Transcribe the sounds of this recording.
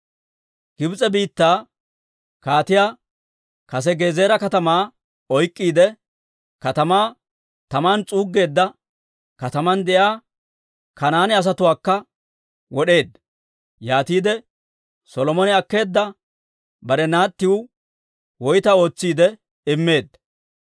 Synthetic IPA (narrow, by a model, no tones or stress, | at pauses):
ɡ̥ɪbt͡sʼɛbiːt̪ːaː | kaːt̪ɪjaː | kɐs̬ɛɡe̞ːze̞ːɾɐkɐt̪ɐmaː | ɔjkʼːiːd̪ɛ | kɐt̪ɐmaː | t̪ɐmaːnt͡sʼuːɡːe̞ːd̪ːɐ | kɐt̪ɐmɐnd̪ɛjaː | kɐnaːnɛɐs̬ɐt̪ʊwaːkːɐ | wɔɗe̞ːd̪ːɐ | jaːt̪iːd̪ɛ | sɔlɔmɔnɪɐkːe̞ːd̪ːɐ | bɐɾɛnaːt̪ːɪwʊ | wɔjt̪ɐo̞ːt͡sːiːd̪ɛ | ɪmːe̞ːd̪ːɐ